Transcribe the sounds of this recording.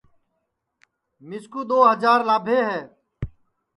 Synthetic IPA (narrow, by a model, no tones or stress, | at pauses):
mɪskuːd̪oːɦəd͡ʒaːɾlaːbʱeːɦɛː